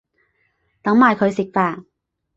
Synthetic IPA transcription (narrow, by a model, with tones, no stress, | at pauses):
t̪ɐ˨˥ŋmaː˨˧jkʰɵ˨˧ɥsɪ˨k̚faː˧˩t